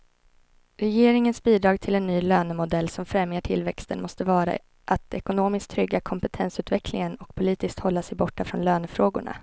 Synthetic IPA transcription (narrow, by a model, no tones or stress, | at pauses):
ɾɛjeːɾɪŋənsbiːd̪ɾɑːɡt̪ʰɪlɛnːyːløːnəmʊd̪ɛlːsɔmfɾɛmjaʈʰɪ̰lvɛkst̪ənmɔst̪əvɑːɾa̰ | ʔat̪ɛkʊnoːmɪskt̪ʰɾʏɡːakʰɔmpɛt̪ʰɛnsʉ̟ːt̪vɛkʰlɪŋənɔk̚pʰʊliːt̪ɪskt̪hɔlːasɛjbɔʈːafɾɔnløːnəfɾoːɡʊ̰ɳa̰